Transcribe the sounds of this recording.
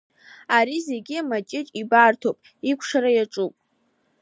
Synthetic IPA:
aɾize̞ɡʲiamat͡ʃʼɪt͡ʃʼibartʰopʼ | ikʷʰʂaɾajaʈ͡ʂʼupʼ

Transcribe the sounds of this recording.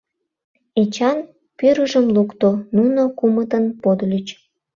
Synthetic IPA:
et͡ɕɑn | pyɾəʒəmlukt̪onunokumət̪ənpod̪lʲyt͡ɕ

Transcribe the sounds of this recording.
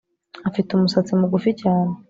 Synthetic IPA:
afitumusat͡simuɡuficaːne̞

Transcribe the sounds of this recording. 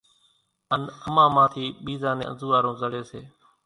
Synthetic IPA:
ənəmãːmãːt̪ʰiːɓiːzãːnḛ̃ːə̰nzuːʋaːɾõːzəɽeːseː

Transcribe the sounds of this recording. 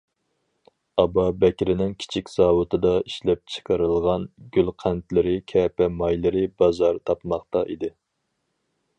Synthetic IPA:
ɑbɑbɛkʲɾɪnɪŋkʲʰi̥t͡ʃʰikʲz̥ɑːwɨt̪ʰɨd̪ɑiʃlɛp̚t͡ʃʰɨ̥qʰɑɾɨlˠʁɑnɡʲylqʰænt̪lɪɾɪkʲʰɛːpɛmɑjlˠɨɾɪbɑzɑɾt̪ʰɑpmɑχt̪ɑʔid̪ɪ

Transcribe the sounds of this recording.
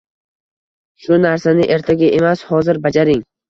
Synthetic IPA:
ʃʊnaɾsanɪʔe̞ɾt̪ʰaɡʲaʔe̞mashɒzɪɾbad͡ʒaɾɪŋ

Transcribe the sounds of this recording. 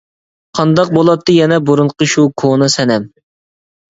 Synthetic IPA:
qʰɑnd̪ɑq̚bolˠɑt̪ʰːɨjɛnɛbuɾuɴqəʃukʰonɨsɛnɛm

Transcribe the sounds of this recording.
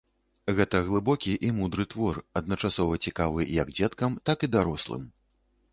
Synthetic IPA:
ɣɛt̪ɐɣlˠɨbɔkʲiʔimud̪ɾɨt̪vɔrɐd̪nɐt͡ʂasɔvɐt͡sʲikavɨjɐɡd͡zʲɛt̪kɐmt̪akid̪aɾɔslˠɨ̰m

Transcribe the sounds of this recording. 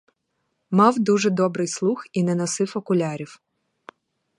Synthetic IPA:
mɑwd̪uʒɛd̪ɔbɾɪjslˠuxinɛnɔsɪfɔkʊlʲɑɾʲiw

